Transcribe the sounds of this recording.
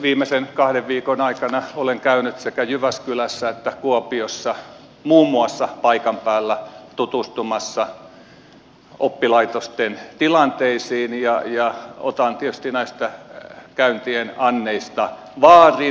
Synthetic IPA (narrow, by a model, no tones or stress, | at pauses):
ʋiːmesenkɑhdeʋʋiːkonɑikɑnɑoleŋkæynyt̪sekæjyʋæskylæsːæet̪ːækuopiosːɑ | muːmːuɑsːɑpɑikɑmpæːlːæt̪ut̪ust̪umɑsːɑ | ʔopːilɑit̪ost̪ent̪ilɑnt̪eisiːnjɑjɑo̰t̪ɑnt̪iet̪yst̪inæist̪ækæynt̪ienɑnːeist̪ɑ | ʋɑːri